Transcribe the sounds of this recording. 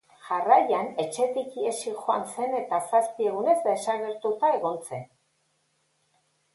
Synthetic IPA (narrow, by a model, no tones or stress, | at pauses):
ʝarajane̞t͡ʃe̞t̪ikiesixoa̰nse̞ne̞t̪asaspie̞ɣ̞une̞zd̪e̞saɣe̞ɾt̪ut̪aeɣo̞nt͡se̞n